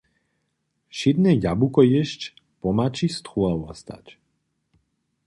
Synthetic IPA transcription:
ʃid̪nɛjabukɔjɛʃt͡ʃ | pɔmat͡ʃist̪χuawɔst̪a̰t͡ʃ

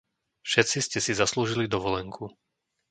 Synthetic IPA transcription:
fʃɛtt͡siscɛsizasluːʒilid̪ɔʋɔlɛŋkʰu

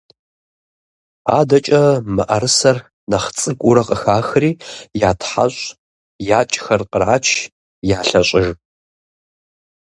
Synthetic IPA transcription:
a̰ːdɐt͡ʃʼɐmɨʔɐɾɨsɐr | nɐχt͡sʼɨkʷʼʊɾɐqʼəxaːxriːjaːtʰħa̰ɕʷʼ | jaːt͡ʃʼxɐrqʼəɾaːt͡ʃʰ | jaːɬɐɕʼɪʒ

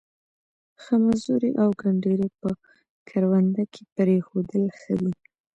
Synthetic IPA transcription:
xəmazuɾeʔawɡaɳɖeɾepə | kʰaɾwand̪akʰepəɾexod̪əlxəwi

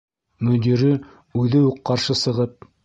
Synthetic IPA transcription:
mɵ̆d̪iɾɘ | ʉðɘuqqːɑɾʃɤsɤ̆ʁɤp̚

